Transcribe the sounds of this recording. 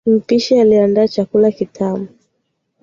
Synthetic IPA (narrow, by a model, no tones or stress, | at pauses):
m̩piʃialiandaːt͡ʃakulakitʰamu